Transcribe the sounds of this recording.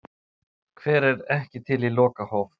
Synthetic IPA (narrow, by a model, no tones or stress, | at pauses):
kʰvɛːɾɛɾɛhcɪt̪ʰɪlilɔːkahɔwf